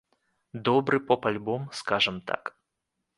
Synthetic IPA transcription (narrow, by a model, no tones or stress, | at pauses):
d̪ɔbɾɨpɔpalʲbɔmskaʐɨmt̪a̰k